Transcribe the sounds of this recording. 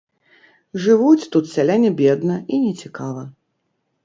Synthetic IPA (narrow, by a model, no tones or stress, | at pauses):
ʐɨvut͡sʲt̪ut̪sʲalʲanʲɐbʲɛd̪nɐinʲɛt͡sʲikavɐ